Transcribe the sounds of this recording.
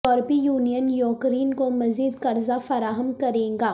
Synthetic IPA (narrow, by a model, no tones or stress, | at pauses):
ɔːɾbijuːnijənjɔːkɾiːnkomɐziːd̪kɐɾzafɐɾaːɦəmkɐɾẽːɡaː